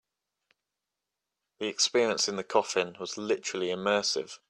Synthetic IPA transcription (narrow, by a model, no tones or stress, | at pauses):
ðiɛkspɪəɹiə̃nsɪ̃nðəkʰɒfɪ̃nwɒz̥lɪtəɹəliɪmɜˑsɪ̰v̥